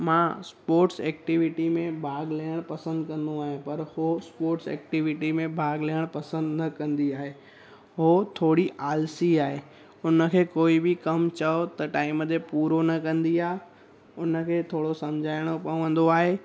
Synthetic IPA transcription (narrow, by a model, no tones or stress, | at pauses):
mãspoːɾʈsɛːk̚ʈɪʋɪʈimẽbʱaːɡlaːəɽ̃pɐsə̃nd̪kɐ̃nd̪õaːɦẽpɐɾhospoːɾʈsɛ̰ːk̚ʈɪʋɪʈimẽbʱaːɡliəɽ̃pɐsə̃nd̪nɐkɐ̃nd̪iaːɦeː | ɦot̪ʰoːɽiʔaːlsiaːɦeː | ʊnə̆kʰeːkoːibɪkɐmt͡ɕɐot̪ɐʈaːɪməd̪epuːɾonɐkɐ̃nd̪iaːɦe | ʊnəkʰeːt̪ʰoːɽosɐmd͡ʑʱaːɪɽ̃opɐ̃ə̃n̆d̪oaːɦeː